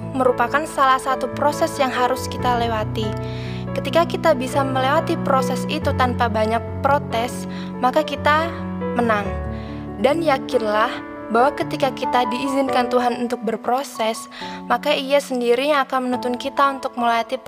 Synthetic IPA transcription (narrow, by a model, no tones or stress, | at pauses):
məɾupakansalahsat̪upɾosɛsjaŋɦaɾʊskit̪alewat̪i | kət̪ikakit̪abisaməlewat̪ipɾosɛsit̪ut̪anpabaɲak̚pɾot̪ɛs | makakit̪a | mənaŋ | danjakɪnlah | bawakət̪ikakit̪adiːzɪnkant̪uɦanunt̪ʊk̚bərpɾosɛs | makaijasəndiɾiɲakanmənunt̪ʊnkit̪aunt̪ʊk̚məlajat̪i